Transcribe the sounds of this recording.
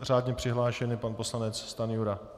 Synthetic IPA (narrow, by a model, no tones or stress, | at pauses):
raːd̪ɲɛpr̝̥ɪɦlaːʃɛnɪpanpo̞slanɛt͡sst̪anjuɾa